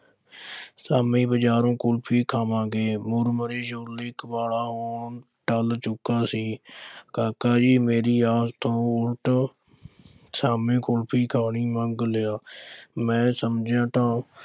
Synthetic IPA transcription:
saːmĩːbəd͡ʒaːɾõːkʊlpʰiːkʰaːmãːɡeːmʊɾməɾeːd͡ʒolɪkʋaːlaːɦoːn | ʈəlt͡ʃʊkaːsiːkaːkaːd͡ʒiːmeːɾiːaːst̪ʰõːʊlʈ | saːmẽːkʊlpʰiːkʰaːɳiːməŋɡlejaːmɛ̃ːsəmd͡ʒjãːt̪ãː

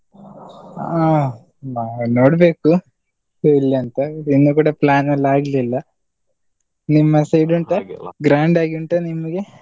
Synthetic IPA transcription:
aː | anoːɽbe̞ːku | ilːɐɐnt̪ɐinːukuːɽɐplaːnɐlːaːɡililːɐ | nimːɐsejɖuɳʈɐɡɾaːɳɖaːɡiuɳʈɐnimːɐɡe

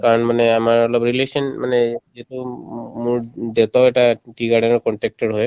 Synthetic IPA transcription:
kaɾɔnmaneamaɹlɔbɾilesɔnmaned͡ʒetumuɾd̪et̪aeʈaʈiɡaɽenɔkɔɳʈek̚ʈɔɾɦɔj

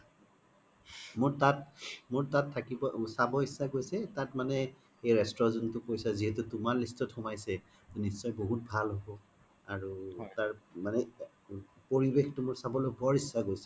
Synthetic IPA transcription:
mʊɹtatmʊɹtatʰːakibɔsabɔisaɡojsɛtatmanɛ | ejɹɛstɹɔzɔntʊkojsaziɦɛtutʊmaɹlistɔthɔmajsɛ | tnisːɔjboɦut̚bʱalɦobɔ | aɹutaɹmanɛ | poɹibextʊmʊɹsabɔlojbɔɹisːaɡojsɛ̥

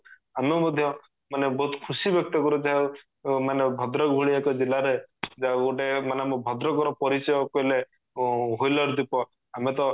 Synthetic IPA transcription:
amemɔd̪ʱjɔ | manebɔɦut̪kʰusibjɔk̚t̪ɔkɔɾud͡ʒaɦ | manebʱɔd̪ɾɔɡʱuɭiekɔd͡ʒilaɾed͡ʒaɡoʈemaneamebʱɔd̪ɾɔkɔɾɔpɔɾisɔjɔkɔile | ɦojlɔɾd̪ipɔ | amet̪ɔ

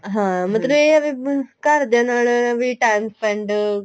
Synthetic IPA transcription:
ɦãːmɐt̪lɐbeɐbikɐɾd̪janaːɭeɐbiʈajmspɐɳɖ

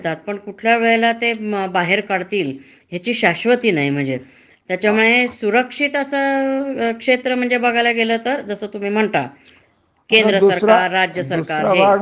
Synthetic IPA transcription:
t̪at̪̚pəɳkuʈʰljaʋeɭelat̪ebaɦeɾkaɽt̪iːl | ɦjat͡ɕiːɕaɕʋət̪iːnaɦjm̤əɳd͡ze | t̪jat͡ɕjamuɭesuɾəkʂit̪əsə | kʂet̪ɾəm̤əɳd͡zebəɡʱalaɡeləːt̪əɾd͡zəsəːt̪um̤iːm̤əɳt̪a̰ | kend̪ɾəsəɾaɾːad͡ʑjəsəɾkaɾɦe

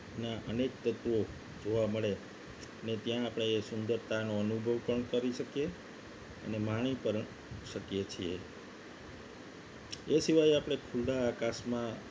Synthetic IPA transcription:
naʔənek̚t̪ət̪ʋo | d͡ʒoʋaməɭe | ənet̪jãːpɽ̃eːsʊnd̪əɾt̪anoənubʱəʋkəɳkəɾiʃəkje | ə̰nemaɽ̃ipəɾ | ʃəkjet͡ʃʰie | esiʋajapɽ̃ekʰuldaːkasmã

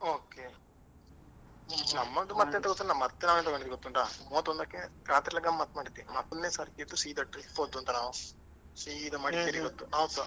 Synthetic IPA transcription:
oːke | nɐmːɐd̪umɐt̪ːent̪ɐɡot̪ːunnaːmɐt̪ːenaːʋent̪ɐɡoɳiiɡot̪ːuɳʈaːmoːt̪ɔnd̪akːekɾaːt̪ɾilɐɡɐmmɐt̪ːɐmaːɽid̪ːimɐt̪ːonneːsɐɾikːid̪usiːd̪ɐʈɾipːod̪ːuɐnt̪ɐnaːʋu | siːd̪ɐmaːɽikːeɾiɡot̪ːuɦɐʋd̪u

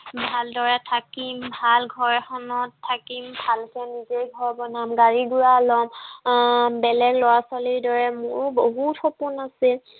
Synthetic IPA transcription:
bʱaldɔɹɛtʰakimbʱalɡʱɔɹɛxɔnɔtʰːakimbʱalkɛnizejɡʱɔɹbɔnamɡaɹiɡuɹalɔm | bɛlɛɡlɔwaswaliɹdɔɹɛmʊɹboɦutxɔpunasil

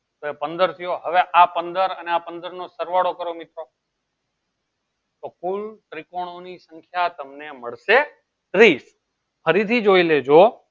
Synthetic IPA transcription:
t̪oepənd̪əɾt̪ʰijoɦəʋeʔapənd̪əɾəneapənd̪əɾnosəɾʋaɽokəɾomɪt̪ɾo | t̪okulʈɾɪkoɽ̃onisə̃ŋkʰjat̪əmneməɭʃe | t̪ɾis | pʰəɾit̪ʰid͡ʒoiled͡ʒo

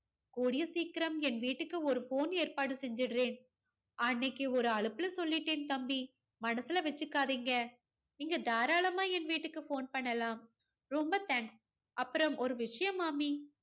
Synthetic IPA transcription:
koːɽɪjɐsiːkɪɾɐmɛnʋiːʈːɯkːɯɔɾɯfoːneːɾpaːɽɯsɛɲd͡ʒɯɽɯɾeːn | ɐnːɐkːɯɔɾɯɐɭɯpːɯlɐsɔlːɪʈːeːnt̪ɐmbi | mɐnɐsɪlɐʋɛt͡ʃːɯkːaːðiːŋɡɐ | niːŋɡɐd̪aːɾaːlɐmaːɛnʋiːʈːɯkːɯfoːnpɐɳːɐlaːm | ɾɔmbɐt̪aːŋks | ʔɐpːɯɾɐmɔɾɯʋɪʂɐjɐmaːmiː

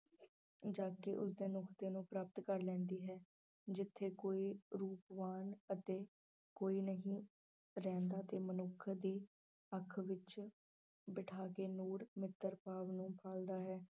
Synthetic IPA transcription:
d͡ʒaːkɪʔʊ̰s̬d̪eːnʊkʰt̪eːnũːpɾaːpət̪kəɾlɛ̃ːnd̪iːɦɛː | d͡ʒɪt̪ʰːeːkoːiːɾuːpʋaːnət̪eː | koːiːnəɦĩː | ɾɛ̃ːnd̪aːt̪eːmənʊkʰːd̪iː | əkʰʋɪt͡ʃ | bɪʈʰaːkeːnuːɾmɪt̪ːəɾpaːʋnũːpʰaːld̪aːɦɛː

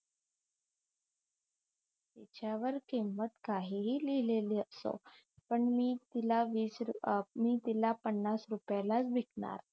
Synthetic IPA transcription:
t̪et͡ɕjaʋəɾkimʋət̪kaɦiɦiːlileliːəso̰ | pəɳmiːt̪ilaʋiːsɾmiːt̪ilapəɳːasɾupjalat͡sbʱikɳa̰ɾ

